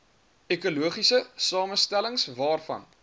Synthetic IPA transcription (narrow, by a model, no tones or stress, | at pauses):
ekuluəχisəsɑːməstæləŋsvɑːrfɐ̰n